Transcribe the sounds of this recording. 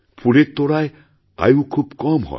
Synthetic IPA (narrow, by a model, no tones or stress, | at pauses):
pʰuɽet̪ːoɽaj | a̰jukʰubkɔmɦɔ̰